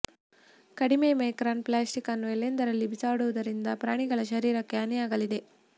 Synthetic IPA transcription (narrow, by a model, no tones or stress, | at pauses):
kɐɽimemɐjkɾaːnplaːsʈikɐnːuelːend̪ɐɾɐlːibisaːɽuʋɐd̪ɐɾind̪ɐpɾaːɳiɡɐɭɐʃɐɾiːɾɐkːeɐnijaːɡɐlid̪e̞